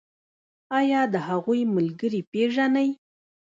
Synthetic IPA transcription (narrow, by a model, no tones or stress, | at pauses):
ɑjɑd̪əhaɣujmalɡəɾipeʒanaj